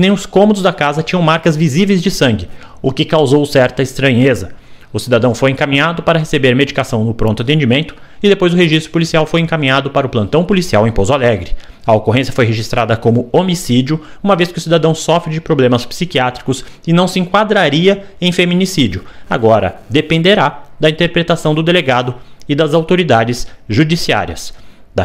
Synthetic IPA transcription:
nẽj̃ʊskõmod̪ʊzd̪akazɐt͡ʃĩɲɐ̃w̃maɾkɐzvizivejzd͡ʒɪsɐ̃ŋɡɪ | ʊkɪkawzowsɛɾt̪ɐɪst̪ɾɐ̃ɲezɐ | ʊsid̪ad̪ɐ̃w̃fojẽkamĩɲad̪ʊpaɾɐɦesebeɾmed͡ʒikasɐ̃w̃nʊpɾõnt̪ʊat̪̬ẽd͡ʒimẽnt̪ʊ̥ | ɪd̪epojzʊɦeʒist̪ɾʊpolisiawfojẽŋkamĩɲad̪ʊpaɾɐʊplɐ̃nt̪ɐ̃w̃polisiawẽj̃pozʊalɛɡɾɪ | ɐokoɦẽsjɐfojɦeʒist̪ɾʔad̪ɐkõmʊomisid͡ʒʊ | ũmɐveskɪʊsid̪ad̪ɐ̃w̃sɔfɾɪd͡ʒɪpɾoblẽmɐspsikiat̪ɾikʊsɪnɐ̃w̃sɪẽŋkwad̪ɾaɾiɐ | ẽj̃femĩnisid͡ʒiʊa̰ɡɔɾɐ̰d̪epẽnd̪eɾad̪ɐĩnt̪eɾpɾet̪asɐ̃w̃d̪ʊd̪eleɡad̪ʊɪd̪ɐzawt̪oɾid̪ad͡ʒɪsʒud͡ʒisia̰ɾiɐs | d̪ɐ

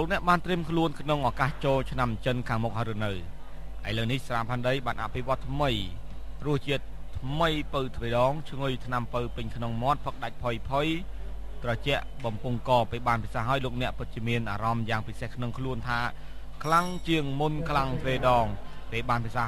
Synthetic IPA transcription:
loːk̚nɛ̆əʔɓaːnt̪riəmkʰluənkʰnoŋʔaːkaːht͡ɕoːlt͡ɕʰnamt͡ɕənkʰaːŋmuk̚haːjɾɨnɨwʔajləwnihsraːpʰaːnɗəjɓaːnʔa̰ʔpʰiʋŏət̪ːʰməjrʊəht͡ɕiət̪ʰːməjpəwt̪ʰʋeːɗɑːŋt͡ɕʰŋɨjt̪ʰnampɨwpɨɲkʰnoŋmŏət̪̚pʰək̚ɗac̚pʰojpʰojt̪rɑt͡ɕɛ̆əʔɓɑmpuŋkɑːpeːɓaːnpisaːɦaəjloːk̚nɛ̆əʔpɨt̪̚t͡ɕiəmiənʔa̰ːɾɑmjaːŋpisehkʰnoŋkʰluənt̪ʰaːkʰlaŋt͡ɕiəŋmunkʰlaŋt̪ʰʋeːɗɑːŋpeːɓaːnpʰisaː

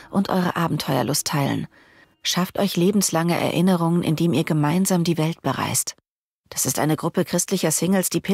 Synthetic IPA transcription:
ʔʊntʔɔ̰ʏʁ̞ə̰ʔaːbm̩tʰɔʏɐ̰lʔʊstʰːaɪlə̰n | ʃaftʔɔʏçleːbm̩slaŋə̰ʔɛ̰ɐʔɪnəʁ̞ʊŋənʔɪ̰ndeːmiːɐɡəmaɪnzaːmdiːvɛlt̚b̥əʁa̰ɪst | d̥asɪstʔa̰ɪnəɡʁʊpəkʁ̥ɪstlɪçɐsɪŋl̩sd̥iːpʰɪ

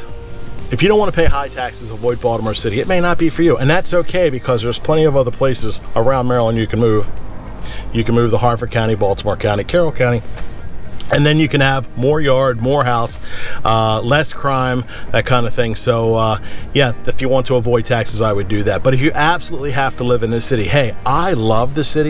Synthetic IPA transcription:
ɨfjɨɾõʊ̃nwɑñəpʰeɪɦaɪtʰæksɨzəvɔɪd̚bɔlˠəmə˞sɪɾiɨt̚meɪnət̚b̥ifə˞jɨʔɨ̃nðætsoʊkʰeɪbɨkʰʌzðə˞z̥pʰl̥ɛ̃ɾ̃iʌvʌðə˞pʰl̥eɪsɨzə˞ãʊ̃nmɛɹəl̩ˠə̃njɨkʰɨ̃n̩mʉv̥ | jɨkɨ̃n̩mʉvðəhɑɹdfə˞kʰãʊ̃ɾ̃ibɔlˠtʰəmɑɹkʰãʊɾ̃ikʰɛɹl̩ˠkʰãʊ̃ɾ̃i | ɨ̃nðɨ̃njɨkɨ̃nəvmɔɹjɑɹd̚mɔɹɦaʊsʔʌlɛskʰɹ̥ãɪ̃m | ðɨt̚kʰãɪ̃ndʌθɪ̃ŋsoʊʌjæɨfjɨwɑ̃ntʰəəvɔɪd̚tʰæksɨzaɪwɨdɨðæt̚b̥ʌɾɨfjɨʔæb̥səlutˡliɦæftəlɪvɨ̃nðɨsɪɾiheɪaɪlʌvðɨsɪɾi

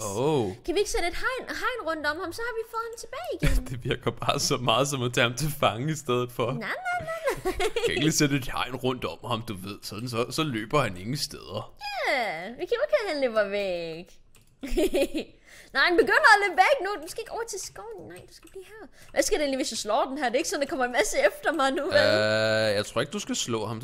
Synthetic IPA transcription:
oʊkʰæʋie̝ɡ̥əsed̥əe̝d̥hɑ̈ɪ̰nɦɑ̈ɪ̰nʁɔ̽n̰d̥ɒ̽mhɑ̈msɒ̽hɑ̈ʋifɔðˠhemt͡sʰe̝b̥ɛːɪiɡ̥endd̥e̝ʋiɐ̰ɡ̥ɐb̥ɑ̈ːsɒ̽mɑ̈ːð̩ˠsɒ̽mæt͡sʰæhɑ̈mt͡sʰe̝lfɑ̈ŋəisd̥eð̞ˠð̩ˠfɒ̽nanaɪnaɪnaæeɡ̥ised̥əe̝d̥hɑ̈ɪnʁɔ̽n̰d̥ɒ̽mhɑ̈md̥uʋe̝ð̞̰ˠsɒð̥n̩sɒsɒ̽lø̰ːb̥ɐhæne̝ŋəsd̥eðˠɐjæʋikʰæɡkhæhænleʋɐʋeɡ̥ | nɑɪnb̥e̝ɡ̥øn̰ɐæleb̥æɡ̥nudmsɡ̥e̝eɡ̥ɒʊ̰ɐt͡sʰe̝sɡ̥ɒʊnnɑ̈ɪd̥usɡ̥æb̥lḭːhæɐ̰ʋʔæsɡ̥æɾee̝ːnliʋesjaslɒ̰ːd̥enɦæɐ̰d̥e̝e̝ɡ̥sɒ̽nd̥ekʰɒ̽m̰ɐenmæsəefd̥ɐmɑ̈ɪnuejɑɪt͡sʰʁoɐeɡ̥̚d̥usɡ̥æslɔ̰̽ːhɑ̈m

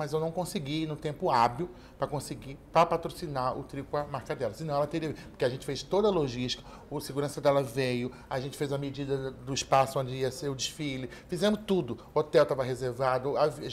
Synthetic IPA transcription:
mɐzewnɐ̃w̃kõsɪɡinʊt̪ẽmpʊabiw | pɾɐkõsɪɡipɾɐpat̪ɾosinaɾʊ̰t̪ɾikʊɐmaɾkad̪ɛɾɐsɪnɐ̃w̃ɛlɐt̪eɾiɐvipo̥ɾkeaʒẽnt͡ʃɪfest̪od̪ɐloʒiʃt͡ʃi̥kɐ̥ | ʊseɡuɾɐ̃sɐd̪ɛlɐvejʊ | aʒẽnt͡ʃɪ̥fejzumɐmed͡ʒid̪ɐd̪ʊiʃpasʊõnd͡ʒɪiɐseɾʊd͡ʒɪʃfilɪfizẽmʊst̪ud̪ʊ | ot̪ɛwt̪avɐɦezeɾvad̪ʊav

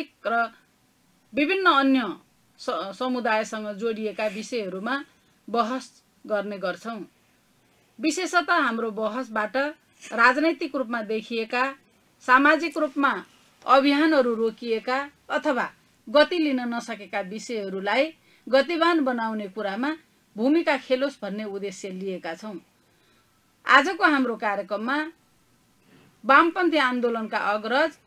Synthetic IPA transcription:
ik̚rʌ | bibʱinːʌːnjʌ | sʌmud̪ajsʌŋɡʌd͡zoɽiekabisʌjɦʌɾuma | bʌɦʌs | ɡʌrneɡʌrt͡sʰʌw̃ | bisesʌt̪aɦamrobʌɦʌsbaʈʌ | rad͡znʌjt̪ikrupmad̪ekʰijeka | samad͡zikrupma | ʌbʱiɦanɦʌɾurokieka | ʌt̪ʰʌwa | ɡʌt̪ilinʌnʌsʌkekabisʌjɦʌɾulaj | ɡʌt̪ibanbʌnawnekuɾama | bʱumikakʰelosbʱʌnːeud̪esjʌlijekat͡sʰʌw̃ | a̰d͡zʌkoɦamrokaɾjʌkrʌmːa | bampʌnt̪ʰiand̪olʌnka̰ʔʌɡrʌd͡z

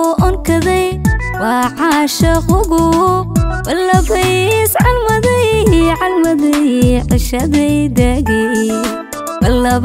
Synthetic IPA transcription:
ʔɔnkʰɐðɛj | wɐːʕɑʃɐqʊɣʊ | bɐlːɐβɐjsʕɑlmɐðɐʕɑlmɐðɛʕɪʃɐðɛjd̪ɐɣɛ | bɐlːɐβ

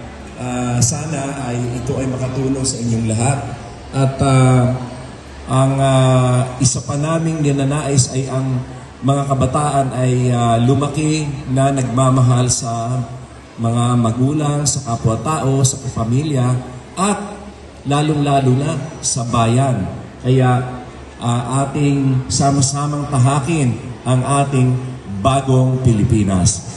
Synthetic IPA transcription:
ʔasaːnɐʔːjʔɪt̪o̞ʔɐjmɐkɐt̪uːlo̞ŋsɐʔɪɲo̞ŋlɐɦat̪̚ | ʔɐt̪a | ʔɐŋaʔɪsapɐnaːmɪŋnɐnɐnaːʔɪsʔɐjʔɐŋ | mɐŋakɐbɐt̪aːʔɐnʔɐjalʊmɐkɪnɐnɐɡ̚mamɐɦalsɐ | mɐŋamɐɡuːlɐŋsɐkapwɐt̪aːʔo̞sɐkɐpɐmiljɐʔɐt̪̚ | laːloŋlaːlʊnɐsɐbaːjɐnkɐjaʔ | ʔɐʔaːt̪ɪŋsamɐsaːmɐŋt̪ɐɦaːkɪnʔɐŋʔaːt̪ɪŋbaːɡo̞ŋpɪlɪpiːnɐ̰s

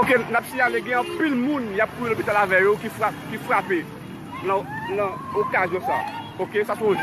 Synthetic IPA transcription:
okenapsiavɛɡɛ̃ãpilmũnjap̚ːujelopit̪alavɛjokifʁapkifʁape | nãnãokazjɔ̃sa̰ | okesasɔ̃

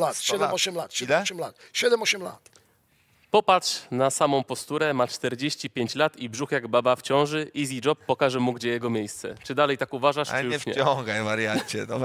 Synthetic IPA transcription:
lat̪ɕɛɛɔɕɛmlat̪ɕɛɛɔɕɛmlat̪ɕɛd̪ɛmɔɕɛmla̰t̪ | pɔpatʂnasamɔ̃w̃pɔst̪uɾɛmat͡ʂt̪ɛɾd͡ʑeɕt͡ɕipʲjeɲt͡ɕlat̪ibʐuxjaɡbabaft͡ɕɔ̃w̃ʐɘʔizʲid͡ʐɔpːɔkaʐɛmuɡd͡ʑɛjɛɡɔmʲjejst̪sɛ̰t͡ʂɘd̪alɛjt̪akuvaʐaʂɨjuʂɲɛ̰ɔŋɡajvaɾjat͡ɕɛt̪ɔ

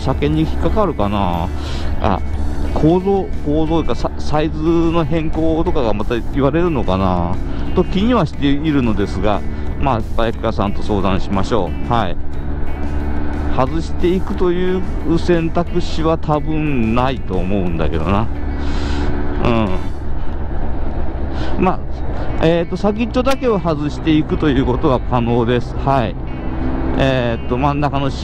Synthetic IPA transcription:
ɕakẽ̞ɲ̟ːiçi̥kːakaɾɯ̟kanaː | ʔa̰kʰo̞ːzoːko̞ːzot̪ːkasasaizɨno̞ɦẽ̞ŋko̞ːt̪o̞kaɡamat̪aiβaɾe̞ɾɯ̟no̞kanat̪o̞kʲːiɲ̟iβaɕi̥t̪eiɾɯ̟no̞d̪e̞sɨɡa̰maːpajakʲi̥asãnt̪o̞so̞ːd̪ãɰ̃ɕimaɕo̞ːhaḭ | hazɨɕi̥t̪e̞ikɯ̟̥t̪o̞jɯ̟ːsẽ̞nt̪akɯ̟ɕiβat̪ʰabɯ̟̃nnait̪o̞ːmo̞ɯ̟̃nd̪a̰ke̞d̪o̞̰na | ɯ̃ɴ | ma | et̪ːo̞saɡʲit͡ɕo̞d̪ake̞ohazɨɕi̥t̪e̞ikɯ̟t̪o̞jɯ̟ːko̞t̪o̞β̞akano̞ːd̪e̞sɨ̥hai | et̪ːo̞mãnːakano̞

